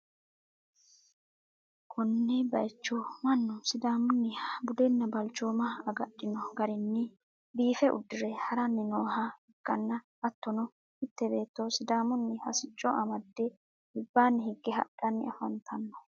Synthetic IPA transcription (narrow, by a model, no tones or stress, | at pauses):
kʰɔnːɛbɐjt͡ʃːɔmɐnːʊsɪd̪aːmʊnːɪbʊd̪ɛnːɐbɐlt͡ʃːoːmɐɐɡɐɗːɪnɔɡɐɾɪnːɪ | biːfɛʔʊ̰d̪ːɪɾɛhɐɾɐnːɪnoːɦɐɪɡ̥ːɐnːɐ | ɐt̪ːɔnɔ | hɪt̪ːɛbe̞ːt̪ːosɪd̪aːmʊnːɪhɐsɪt͡ʃʼːɔʔɐmɐd̪ːɛ | hɪbːaːnːɪhɪɡːɪɦɐ̰ɗɐnːɪɐfɐnt̪ʰɐnːɔ̥